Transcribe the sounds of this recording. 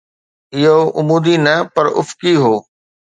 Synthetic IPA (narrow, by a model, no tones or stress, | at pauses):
ɪɦoʔʊmuːd̪inɐpɐɾʊ̰fkiɦoː